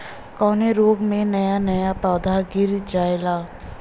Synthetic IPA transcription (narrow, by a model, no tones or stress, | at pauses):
kɔːneɾoːɡmẽnɐjanɐjapaːd̪ʱaɡɪɾd͡ʒaːelaː